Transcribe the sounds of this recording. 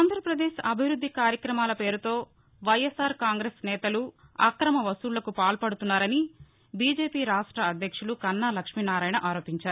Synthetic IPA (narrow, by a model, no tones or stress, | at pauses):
aːnd̪ʱɾɐpɾɐd̪eːʃɐbʱiʋɾud̪ʱːikaːɾjɐkɾɐmaːlɐpe̞ːɾut̪o̞ː | ʋɐjesaːɾkaːŋɡɾeːsnɛːt̪ɐluɐ̰kɾɐmɐʋɐsuːllɐkupaːlpɐɽut̪unːaːɾɐni | biːd͡ʒe̞ːpiːɾaːʂʈɾɐːd̪ʱjɐkʂulukɐnːaːlɐkʂminaːɾaːjnɐʔaːɾo̞ːpiɲt͡ʃaːɾu